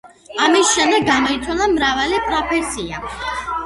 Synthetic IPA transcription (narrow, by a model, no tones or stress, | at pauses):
amisʃɛmd̪ɛɡːamɔit̪sʰwalˠamɾavalipʼɾɔpʰɛsia̰